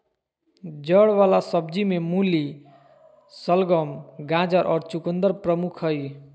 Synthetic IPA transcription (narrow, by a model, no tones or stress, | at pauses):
d͡ʒʌɽwalasʌbd͡ʒimemuli | sʌlɡʌmɡãd͡ʒəɾʔɔɾt͡ʃukənd̪əɾpɾəmukʰɦʌj